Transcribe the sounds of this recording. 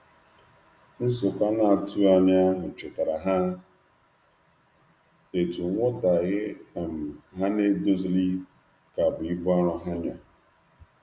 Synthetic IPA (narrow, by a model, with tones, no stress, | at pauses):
n̩˦sʊ˨ka˦na˨a˨tu˦a˨ɲa˦a˦ɦʊ˨t͡ʃɪ˨ta˨ɾa˨ɦa˦ | e˨tu˨ŋʷ˦ɔ˦ta˨ɣɪ˦a˨m̩˨ɦa˦ne˦do˦zli˦ | ka˨bʊ˨i˦bʊ˦a˦ɾɔ˦ɦa˦ɲ˨a˨